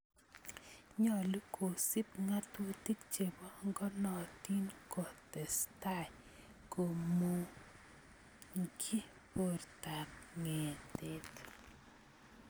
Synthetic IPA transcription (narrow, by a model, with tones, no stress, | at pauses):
ɲɔ˨li˦kʰo˨si˦pŋa˦two˦ti˦kt͡ʃe˨bɔ˦ŋɡɔ˦nɔ˨ti˦nkɔ˨tɛ˨sta˦˨j | ko˨mo˦ | ŋkʰi˦ | po˦rta˨mŋe˨te˦t